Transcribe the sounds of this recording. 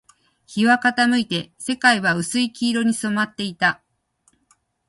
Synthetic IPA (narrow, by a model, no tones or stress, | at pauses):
çiβakat̪amɯ̟it̪e̞se̞kaiβaɯ̟sɨikʲiːɾo̞ɲ̟iso̞mat̪ːe̞it̪a